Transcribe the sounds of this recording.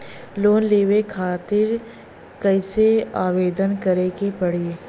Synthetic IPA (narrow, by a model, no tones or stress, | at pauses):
loːnleːʋekʰaːt̪ɪɾ | kɛɪseaːʋeːd̪ənkɐɾekepɐɽ̤ieː